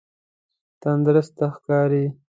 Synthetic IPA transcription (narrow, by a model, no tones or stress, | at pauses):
t̪and̪ɾəst̪axkɑːɾi